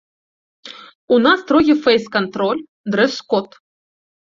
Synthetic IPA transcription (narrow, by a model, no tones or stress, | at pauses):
unast̪ɾɔɣʲifɛjskant̪ɾɔlʲ | d̪ɾɛskɔt̪